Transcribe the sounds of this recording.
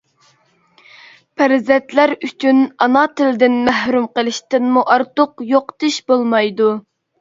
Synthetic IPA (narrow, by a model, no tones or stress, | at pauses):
pʰæɾzɛt̪læɾyt͡ʃʰynɑnɑt̪ʰɪld̪ɪnmæhɾumqəlˠɪʃt̪ɪnmuʔɑɾt̪ʊqjoqt̪ɨʃbolˠmɑjd̪u